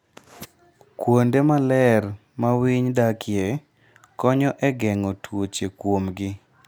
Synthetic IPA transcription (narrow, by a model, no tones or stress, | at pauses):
kwondemalɛr | mawiɲdakʰɪe | kɔɲɔʔɛɡɛŋɔtwot͡ʃekwomɡɪ